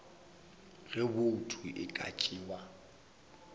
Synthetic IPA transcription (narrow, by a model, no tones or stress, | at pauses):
ɣɪbʊtʰuʔɪ̰kʼa̰t͡ʃʼiːwa